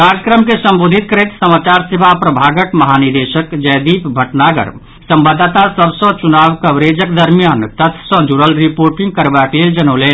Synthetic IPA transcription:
kaɾjəkɾəmkesə̃mboːd̪ʱit̪kəɾeːt̪səmaːt͡ʃaːɾsebʱapɾəbʱaːɡəʈmɐɦaniɾd̪eʃəkd͡ʒəjd̪iːpbʱəʈnaɡə̰ɾ | sə̃mbəd̪ʱːt̪asəbsə̃t͡ʃunaːʋkəʋɾed͡ʒəkd̪əɾmijaːnt̪ət̪ʰsɔ̃d͡ʒuɽəlɾipoːɾʈĩŋɡ̚kəɾbakleːld͡ʒənoːleː

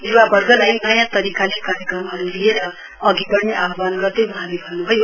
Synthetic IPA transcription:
niwabʌrɡʌlajnʌjãt̪ʌɾikalekaɾjʌkrʌmɦʌɾulieɾʌ | ʌɡibʌrneʔaɦʌbanɡʌrd̪ʌjbuɦãlebʱʌnːubʱʌjo

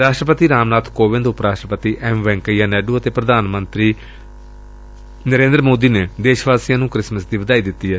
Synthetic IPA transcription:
ɾaːʃʈɾəpət̪iːɾaːmnaːt̪ʰkoːʋɪ̃nd̪ʊpɾaːsʈɾəpət̪iːʔɛːmʋɛ̃ːŋkəjãːnɛːɖuːət̪eːpɾəd̪ʱaːnmənt̪ɾiː | nəɾẽːnd̪ɾmoːd̪iːneːd̪eːʃʋaːsɪjãːnũːkɾɪsməsd̪iːʋəd̪aːiːd̪ɪt̪ːiːɦɛː

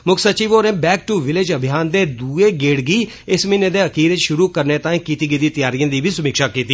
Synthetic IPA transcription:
mʊkʰsət͡ʃiːʋoːɾɛ̃ːbɛːk̚ʈuːʋɪlɪd͡ʒəbʱɪjaːnd̪eːd̪uːeːɡeːɽɡiː | ɪsmĩnẽːd̪eːəkiːɾet͡ʃʃʊɾuːkəɾneːt̪ãːĩːkiːt̪iːɡid̪iːt̪ɪjaːɾijãːd̪iːbʱiːsʊmiːkʃaːkiːt̪iː

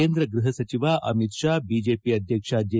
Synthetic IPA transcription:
end̪ɾɐɡɾuɦɐsɐt͡ɕiʋaʔɐ̰mit̪ʂaːbid͡ʑepiːɐd̪ʱjəkʂaːd͡ʒ̪je

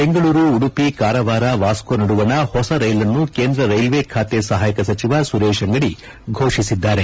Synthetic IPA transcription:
be̞ŋɡɐɭuːɾuːɽupikaːɾɐʋaːɾɐʋaːskonɐɽuʋɐnɐhɔsɐɾɐjlɐnːukeːnd̪ɾɐɾɐjlʋeːkʰaːt̪esɐɦaːjɐkɐsɐt͡ʃiʋasuɾeːʃɐŋɡɐɽi | ɡʱoːʂisid̪ːaːɾe

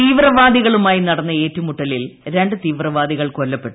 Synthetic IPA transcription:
t̪iːʋrɐʋaːd̪iɣɐɭumaːjinɐɽɐnːɐe̞ːtːumuʈːɐlilɾe̞ɳɖɨt̪iːʋrɐʋaːd̪iɣɐɭkolːɐpːe̞ʈːu

